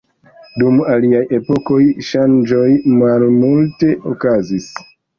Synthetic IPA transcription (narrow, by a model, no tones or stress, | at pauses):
dumaliaje̞po̞ko̞jʃand͡ʒo̞jmalmulte̞ʔokazis